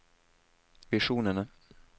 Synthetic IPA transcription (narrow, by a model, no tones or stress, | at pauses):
vɪʂuːnəna